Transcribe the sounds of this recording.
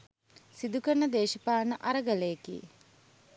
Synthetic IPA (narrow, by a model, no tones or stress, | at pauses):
sid̪ukəɳəd̪eːʃəpaːnəʔaɾəɡɐlejekḭ